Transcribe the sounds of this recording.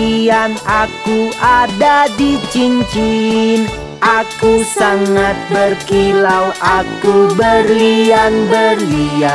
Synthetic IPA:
ianakuʔadadit͡ʃiɲt͡ʃin | akusaŋat̪̚bərkilawʔakubərlianbərlia

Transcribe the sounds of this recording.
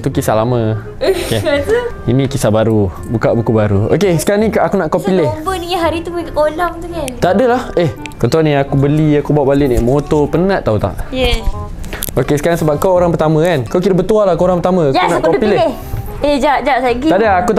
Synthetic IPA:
t̪ukisalamə̃ | oke | inĩkisabaɾu | bukaʔbukubaɾuo̰kesə̥kaɾanikakunaʔkapilɪbəniaɦaɾit̪uolɔŋt̪ukant̪adəlaheh | kɔnt̪anĩakubəliakubaaʔbalɪʔnaʔmot̪ɔpənãʔ̪aut̪a̰ʔjɛ | okesəkaɾaŋsəbap̚kawoɾaŋpərt̪amə̃kankawkiɾəbət̪ualahkuoɾaŋpət̪amə̃akaunaʔkapileeh | ed͡ʒaʔd͡ʒaʔsaɡiaʔdəːkut̪

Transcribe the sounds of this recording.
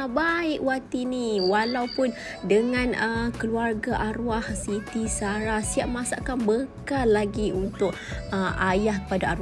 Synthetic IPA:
baɪʔwat̪iniwalawpʊn | dəŋãnəkəluarɡaʔaɾuahsit̪isaɾahsiaʔ̚mãsaʔkanbəkalːaɡiunt̪ʊʔ̚ | əajahkə̥padaaɾ

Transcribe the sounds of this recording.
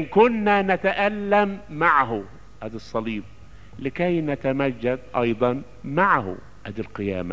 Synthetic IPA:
ʔɪnkʊnːanat̪aʔalːamːaʕɦʊ | ʔad̪ɨsˤːɑliːb̚ | lɪkajnat̪amad͡ʒːad̪ʔɑjd̪ˤɑn | maʕhʊ̰ | ʔad̪alqɪja̰ːma̰

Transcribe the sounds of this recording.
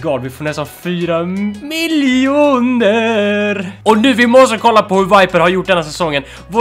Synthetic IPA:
ɡɑːlvɪfoːɳɛst̪anfyːɾamɪluːnəɾɔnʉ̟ːvɪmɔst̪əkʰɔlːapɔhɵɾvajpəɾhaɾjʊʈ̚ːɖ̪ɛnːas̬ɛsɔŋːən | v

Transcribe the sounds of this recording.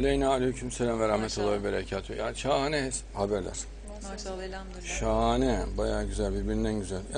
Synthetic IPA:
alʲejnaalʲihycʰymselʲæmvɛɾahmɛt̪ʰolˠaibeɾacʰaːt̪ʰuja̰ːniʃaːanɛɛs | habæɾlʲæ̰ɾ̥ | ʃaːnɛbajaːɟyzælʲbiɾbiɾind̪ænɟyzælʲja

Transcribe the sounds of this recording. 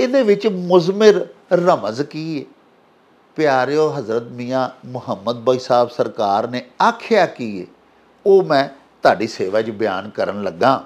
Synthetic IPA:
ed̪eːʋɪt͡ʃmʊzmɪɾːəməzkiːeː | pɪjaːɾejoːɦəzɾət̪miːãːmʊɦəmːəd̪̚baːisaːbsəɾkaːɾneːaːkʰɪjaːkiːḛː | oːmɛ̃ː | t̪ʊaːɖiːseːʋaːt͡ʃbɪja̰ːnkəɾənləɡːãː

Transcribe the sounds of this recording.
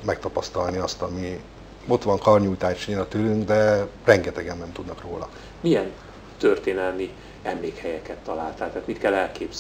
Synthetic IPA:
mɛk̚t̪ɒpɒst̪ɒlniɒst̪ɒmi | o̞t̪ʋɒŋkɒrɲujt̪aːʃneːlɒt̪øːlyŋɡd̪ɛrɛŋɡɛt̪ɛɡɛnːɛmt̪ud̪nɒkroːlɒ̰ | mijɛn | t̪ørt̪eːnɛlmi | ɛmleːkhɛjɛkɛt̪ːɒla̰ːlt̪aːlt̪aːt̪mit̪kɛlːɛlkeːbz

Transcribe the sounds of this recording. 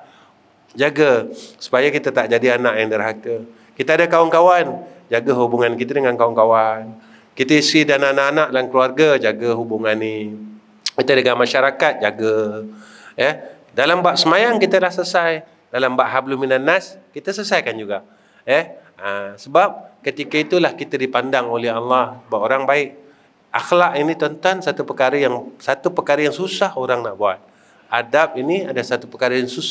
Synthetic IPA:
d͡ʒaɡəsu̥pajakit̪ət̪aʔd͡ʒadianaʔjaŋdərɦakə | kit̪əadəkawankawand͡ʒaɡəɦubuŋankit̪ədəŋankawaŋkawan | kit̪əisɾidananaʔːnaʔdankluarɡad͡ʒaɡəɦubuŋani | kit̪ədəŋamaʃaɾakat̪̚d͡ʒaɡə | jəh | dalambaʔsəmajaŋkit̪əlahsəsaj | dalambaʔɦabluminanːaskit̪asəsajkand͡ʒuɡaʔ | jɛhəsəbap̚kət̪ikait̪ulahkit̪adipandaŋolɛɦalːɑhsəbapoɾaŋbaɪʔ | ʔaxlaʔinit̪ənt̪ansat̪upəkaɾəjaŋsat̪upəkaɾəjaŋsusahoɾaŋnaʔbuat̪̚ | adap̚iniadasat̪upəkaɾəjaŋsu

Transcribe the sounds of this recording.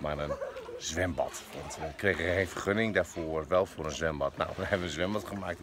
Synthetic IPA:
manənzʋɪmbɔ̰tʋɔntəkreɣəẽnfərχønɪŋdafoərʋɛlˠfoəɾənzʋɪmbɔtna̰wʋəhɛbənənzʋɪmbɔtχəmaːk̚t

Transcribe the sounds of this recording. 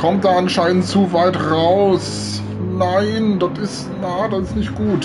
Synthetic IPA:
kʰɔmt̚d̥aːʔanʃaɪnəntt͡suvaɪtʁaʊs | naɪndɔtɪst | naːdasɪstnɪçtɡ̥uːt

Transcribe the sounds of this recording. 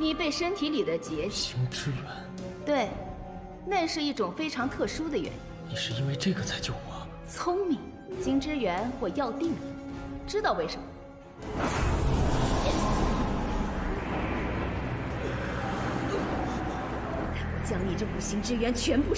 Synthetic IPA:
nipeɪʂənt̪ʰilid̪ət͡ɕjɛiŋʈ͡ʂɻ̩ɥɛn | t̪weɪ | naʂɻ̩iʈ͡ʂʊŋfeɪʈ͡ʂʰɑŋt̪ʰɤʂud̪əɥɛ̰niniʂɻ̩inweɪʈ͡ʂɤɡət͡sʰaɪt͡ɕjoʊxa | t͡sʰʊŋmiŋ | ɕiŋʈ͡ʂɻ̩ɥɛnxwɔjɑʊt̪iŋʈ͡ʂɻ̩t̪ɑʊweɪʂəmə | t͡ɕjɑŋniʈ͡ʂɤkuŋɕiŋʈ͡ʂɻ̩ɥɛnt͡ɕʰɥɛnpu

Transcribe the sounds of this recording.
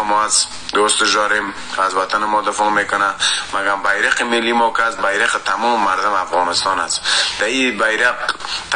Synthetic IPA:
mɔas | d̪ost̪ɪʃd̪ɔɾem | azwat̪ʰanɪmɔd̪ɪfɔmekʊnamaɡambajɾɪqɪmɪlːimɔkɪasbajɾɪqɪt̪amɔmːaɾd̪ʊmafɣɔnɪst̪ɔnasd̪̥aibajɾaqt̪

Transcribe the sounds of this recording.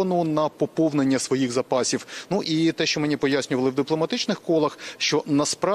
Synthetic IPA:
ɐnʊnɐpɔpɔwnenʲːɐsʋɔjiɣzɐpɑsʲiwnuʔit̪ɛʃt͡ʃɔmenʲipɔjasʲnʲʊʋɐlˠɪwd̪ɪplˠɔmɐt̪ɪt͡ʃnɪxkɔlˠɐxʃt͡ʃɔnɐspɾɑ

